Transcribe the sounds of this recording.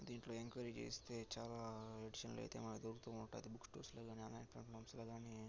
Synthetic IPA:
d̪iːɳʈlo̞ːe̞ŋkʋɐɾid͡ʒt͡ʃḛːst̪e̞ːt͡ʃaːlaːeɖiʃɐnlo̰ːjt̪eːmɐnɐkd̪oɾuɡut̪uːunɐʈːuɐd̪ibuksʈoːɾsloːɡaːnianlaːjnpɾɐɳpʰaːmsloːɡaːni

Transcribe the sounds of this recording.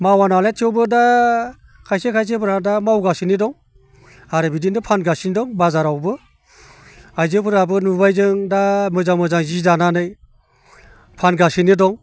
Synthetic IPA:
mawanaletʰiɔwbɯda | kʰajsekʰajs̬epʰɯɾadamawɡasinidɔŋ | aɾɯbidindapʰanɡasinidɔŋbazaɾawbɯ | ajzɯpʰɯɾabɯnubajzɯŋdamɯzamɯzaŋzidananɯj | pʰanɡasinidɔŋ

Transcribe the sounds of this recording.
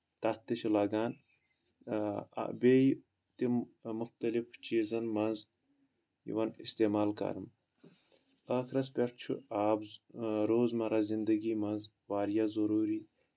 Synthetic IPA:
t̪ɐt̪ːiʃilaːɡaːn | bej | t̪imʊxt̪ɐlift͡ʃiːzɐnmɐnz | jḭʋɐnḭst̪eːmaːlkɐ̰ɾm | ɐkʰɾɐspʲeɾt͡ʃʰṵaːbzɾoːzmɐɾazind̪ɐɡiːmɐnz | waːɾjazɐɾuːɾiː

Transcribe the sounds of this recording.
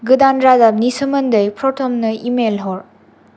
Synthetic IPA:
ɡɯdanɾadap̚nisɯmɐndɯjpʰɾɔtʰɔmnɯimelɦɔɾ

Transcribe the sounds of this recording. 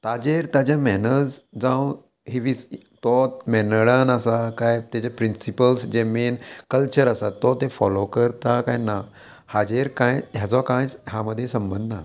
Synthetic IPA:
t̪ad͡ʑeɾt̪ad͡ʑjamɛnəd͡zd͡zãw | ɦiʋis | t̪ɔmɛnɽənasakajt̪jat͡ɕapɾinsipəlsd͡ʑeminkəlt͡ɕəɾasat̪ɔt̪efɔlokəɾt̪akãjna | had͡ʑeɾkãjjad͡zɔkãjt͡sɦaməd̪ʱːjesəmbənd̪ʱna

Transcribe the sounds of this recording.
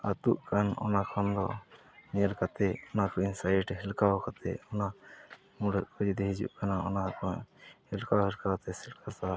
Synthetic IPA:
at̪uʔkʰanɔ̰nakʰɔnd̪ɔ̰ | nɛjalkat̪ɛɔnakɔinsajʈɦɛlkawkat̪ɛ̰ɔna | muɽəʔkʰɔd͡ʒid̪ɛɦid͡ʒṵʔkanaɔ̰nakɔhɛlkawɦɛlkawt̪ɛsɛlkasa

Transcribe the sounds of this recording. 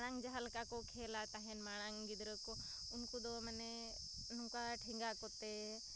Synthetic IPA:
ɽ̃ãŋd͡ʒəɦəlkakokʰeːlat̪aɦenmaːɽ̃ãŋɡid̪ɾəko | ʊnkud̪oməne | nũkaʈʰiŋɡakot̪e

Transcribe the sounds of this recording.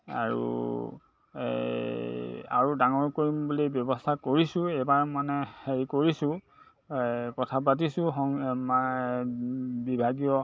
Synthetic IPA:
a̰ɹṵ | a̰ɹudaŋɔɹkoɹimbulibjɔbɔstʰakoɹisʊ̃ejbaɹmanɛheɹikoɹisʊ̃ | kɔtʰapat̬isʊ̃ɦɔŋma | bibʱaɡijɔ

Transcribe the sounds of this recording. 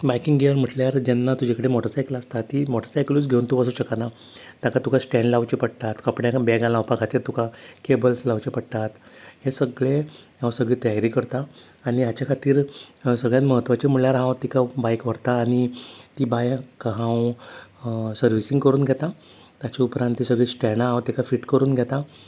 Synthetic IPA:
bajkiŋɡɡejəɾm̤əʈljaɾd͡ʑɛnːat̪ud͡ʑekəɽemɔʈəɾsajklast̪at̪iːmɔʈəɾsajkluːt͡sɡʱeunt̪ubəs̬uɕəkana | t̪jakat̪ukasʈɛ̃ɳɖlaʋt͡ɕipəɽt̪at̪kəpɽjakbɛɡãlãwpakʰat̪iːɾt̪ukʰakebəlslawt͡ɕepəɽt̪at̪hesəɡɭeɦãw̃səɡɭiːt̪əjaɾiːkəɾt̪aː | ñiat͡ɕakʰat̪iːɾsəɡɭjat̪məɦət̪ːʋat͡ɕemuɭljaɾɦãwt̪ikʰabajkʋəɾt̪aːɽ̃it̪ibajkːɦãw | səɾʋisiŋɡkəɾuːnɡʱjɛt̪a | t̪jat͡ɕaupɾãnt̪ːisəɡɭisʈɛnaãwt̪ikʰafiːʈkəɾuːnɡʱjɛt̪a

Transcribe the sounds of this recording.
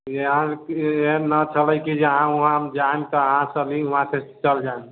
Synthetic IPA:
eɦãenət͡ʃʰələjkid͡ʒeəɦãuɦãmd͡ʒant̪ɔəɦãt͡ʃʰəliuɦãset͡ʃəld͡ʒan

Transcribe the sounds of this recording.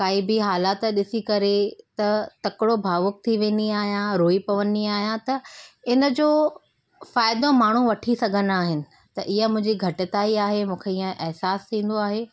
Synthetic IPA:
kaːibɪɦaːlaːt̪̆ɗɪsikɐɾet̪ɐt̪ɐkɪɽobʱaːʋʊk̚t̪ʰiʋẽːnd̪iaːɦijãɾoːipɐʋəniaːɦijãt̪ɐɪnə̆d͡ʑoː | faːɪd̪õmaːɳ̤uʋɐʈʰisɐɡʱənaːɦɪnɪ̆ | t̪ɐʔɪɦəmʊ̃ɦɪ̃ɲd͡ʑiɡʱɐʈɪt̪aːiaːɦemũːkʰeiːə̃ʔɛɦsaːst̪ʰĩːn̆d̪oaːɦeː

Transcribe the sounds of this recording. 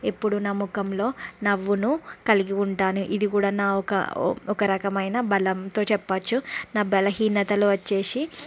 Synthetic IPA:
e̞pːuɽunɐːmːukɐmlo̞ːnɐʋːunukɐliɡiuɳʈaːnuʔid̪ikuːɽaːnaːɔkɐ̰ɔkɐɾɐkɐmɐjnɐbɐlɐmt̪o̞ːt͡ʃɛpːat͡ʃːunaːbɛlɐɦiːnɐt̪ɐluʋɐt͡ʃːe̞ːsi

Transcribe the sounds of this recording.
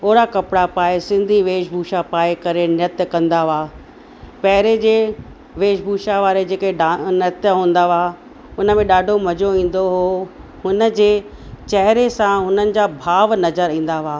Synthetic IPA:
oːɾakɐpɪɽapaːesɪ̃nd̪ʱiʋeːʃbʱuːʃapaːekɐɾenɪət̪jəkɐ̃nd̪aʋaː | pɛɦɪɾed͡ʑeː | ʋeːʃbʱuːʃaʋaːɾed͡ʑeːkeɖanət̪jəɦũːn̆d̪aʋaː | ʊnə̆mẽɗaːɖʱomɐd͡ʑoĩːn̆d̪oɦoɦʊnə̆d͡ʑeːt͡ɕɐɦɪɾesãɦʊnənɪ̆d͡ʑabʱaːʋnɐzəɾĩːn̆d̪aʋaː

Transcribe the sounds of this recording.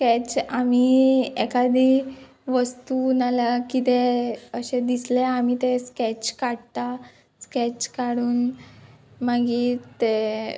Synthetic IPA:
skɛt͡ɕamiekad̪ʱi | ʋəst̪unalakit̪eəɕed̪isleamit̪eskɛt͡ɕkaɽt̪a | skɛt͡ɕkaɽuːn | maɡit̪e

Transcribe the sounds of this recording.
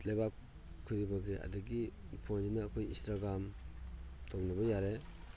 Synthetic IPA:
lebak | kʰːɯɾibaɡeʔa̰diɡi | pʰɔnd͡ʒinaːkʰɔjḭ̃nstɾaɡɾam | tʰɔmnabɔjaɾe

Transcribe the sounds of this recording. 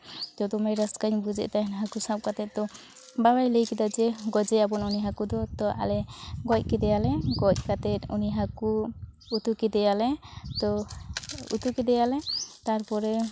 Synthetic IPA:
d͡ʒɔd̪ɔmɛɾaskaɲbud͡ʒɛ̰ʔt̪anɦakusap̚kat̪ɛt̪̚t̪ɔ | babajləjkɛd̪ad͡ʒɛɡɔd͡ʒɛjabɔnuniɦakud̪ɔt̪ɔʔa̰lɛɡɔc̚kɛd̪ɛjalɛɡɔc̚kat̪ɛt̪̚uniɦaku | ut̪ukɛd̪ɛjalɛt̪ɔ | ṵt̪ukɛd̪ɛjalɛt̪aɾpɔɾɛ

